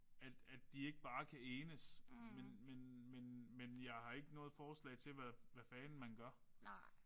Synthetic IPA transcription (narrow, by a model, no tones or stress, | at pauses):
æd̥æd̥d̥ie̝ɡ̥əb̥ɑ̈ːkʰæeːnəsmenmenmenmenjɑ̈ɪhɑ̈e̝ɡ̥ənɔ̽ːð̞̩ˠfɒːslɛ̰ɪt͡sʰe̝lʋæʋæfɛːnn̩mænɡ̥ɶɐ